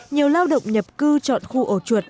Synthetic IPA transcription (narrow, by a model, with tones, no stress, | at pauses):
ɲi˨˩əwlaː˧wɗə̰˧˨wŋ͡mɲə˨˩p̚kɨ˧t͡ɕɔ̰˧˨nxu˧ʔo˧˩t͡ɕwu˨˩ət̚